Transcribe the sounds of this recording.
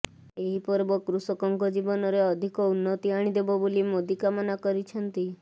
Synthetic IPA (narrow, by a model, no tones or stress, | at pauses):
eɦipɔɾbɔkɾusɔkɔŋkɔd͡ʒibɔnɔɾeɔd̪ʱikɔunːɔt̪iaɽ̃id̪ebɔbolimod̪ikamɔnakɔɾit͡ʃʰənt̪i